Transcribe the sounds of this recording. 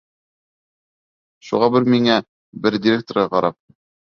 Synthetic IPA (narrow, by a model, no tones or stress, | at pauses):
ʃuʁɑbɘɾmiŋæ | bɘɾd̪ʲɪɾʲek̚t̪oɾʁɑqɑɾʔɑp̚